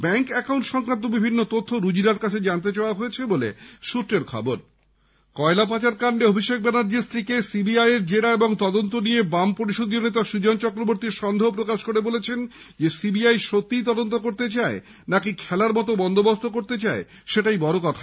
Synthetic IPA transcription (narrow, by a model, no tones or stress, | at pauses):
bɛŋkɛkawɳʈʃɔŋkɾant̪̬obibʱinːot̪ot̪ʰːoɾud͡ʑiɾaɾkat͡ɕʰed͡ʑant̪̬et͡ɕaoaɦojet͡ɕʰebolḛʃut̪ːɾeɾkʰɔ̰boɾ | kɔelapat͡ɕaɾkaɳɖeobʱiʃek̚bɛnaɾd͡ʑiɾst̪ʰɾikesibiajeɾd͡ʑeɽaeboŋt̪ɔd̪ont̪oniebampoɾiʃod̪ionet̪aʃud͡ʑont͡ɕɔkɾoboɾt̪iɾʃɔnd̪ʱeopɾokaʃkoɾebolet͡ɕʰen | d͡ʑesibiajʃot̪ːit̪̬ɔd̪ont̪okoɾt̪et͡ɕae | nakikʰɛlaɾmɔt̪obɔnd̪ʱobost̪okoɾt̪et͡ɕae | ʃeʈajbɔɾokɔt̪ʰa